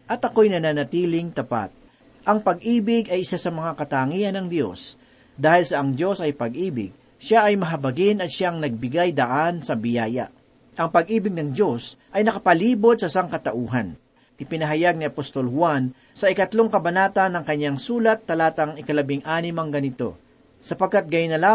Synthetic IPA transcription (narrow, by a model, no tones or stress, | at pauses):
ʔɐt̪ɐko̞jnɐnanɐt̪iːlɪŋt̪ɐpa̰t̪̚ | ʔɐŋpɐɡ̚ʔiːbɪɡʔɐjʔɪsasɐmɐŋakɐt̪aːŋiːɐnɐŋd̪jo̞s | d̪aːhɪlsɐʔɐŋd̪jo̞sɐjpɐɡʔiːbɪ̰ɡ̚ | ʃaʔɐjmɐɦɐbɐɡɪnɐt̪ʃaʔŋnɐɡ̚bɪɡajd̪ɐʔansɐbɪjaːjɐ̰ | ʔɐŋpɐɡʔiːbɪɡ̚nɐŋd̪jo̞sʔɐjnɐkɐpɐliːbo̞d̪̚sɐʔsaŋkɐt̪ɐʔuːɦɐn | ʔɪpɪnɐɦɐjaɡ̚niʔɐpost̪olhwan | sɐʔɪkɐt̪lo̞ŋkɐbɐnaːt̪ɐnːɐŋkɐɲːaŋsuːlɐt̪ːɐlaːt̪ɐŋɪkɐlɐbɪŋʔaːnɪmɐŋɡɐnɪt̪o̞̰ | sɐpɐɡ̚kːat̪̚ɡɐjʊnːɐla